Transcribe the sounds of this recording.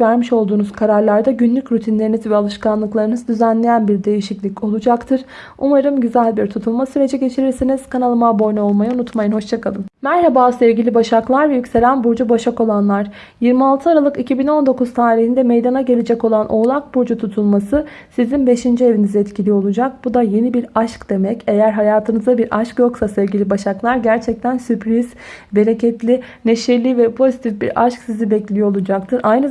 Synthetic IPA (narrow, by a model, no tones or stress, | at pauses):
væɾmiʃo̞lˠd̪uːnuz̥kʰaɾaɾlˠaɾd̪aɟynlʲycɾyt̪ʰinlʲe̞ɾinizvɛalˠɯʃkanlˠɯklˠaɾɯnɯzd̪yzænlʲe̞jænbiɾd̪e̞jiʃiclʲico̞lˠud͡ʒakt̪ʰɯɾ̥ | umaɾɯmɟyzælʲbiɾt̪ʰut̪ʰulˠmasyɾe̞d͡ʒɛɟe̞t͡ʃʰiɾiɾsiniz̥kʰanalˠɯmabo̞jnɛolˠmajaunut̪majɯnho̞ʃt͡ʃ̪ʰakʰalˠɯnmæɾhabaːsevɟilʲibaʃaklˠaɾvɛjycʲse̞lʲænbuɾd͡ʒubaʃako̞lˠanlˠaɾ̥ | jiɾmialˠt̪ʰɯaɾalˠɯkicʰibino̞nd̪o̞kʰuz̥t̪ʰaːɾiɦhind̪ɛme̞jd̪anaɟe̞lʲed͡ʒɛko̞lˠanʔo̞lˠak̚buɾd͡ʒut̪ʰut̪ʰulˠmasɯsizinbe̞ʃind͡ʒie̞vinizɛɛt̪cilʲijo̞lˠud͡ʒak̚bud̪aje̞nibiɾaʃkd̪̥e̞mɛce̞jæɾɦajaːt̪ʰɯnɯzd̪abiɾʔaʃkjo̞ksasɛvɟilʲibaʃaklˠaɾɟæɾt͡ʃʰɛc̚t̪ʰænsypɾiz̥ | be̞ɾe̞cʰɛt̪lʲineʃɛlʲːivɛpʰo̞zit̪ʰifbḭɾa̰ʃksizibɛclʲijoolˠud͡ʒak̚t̪ʰɯɾʔajnɯ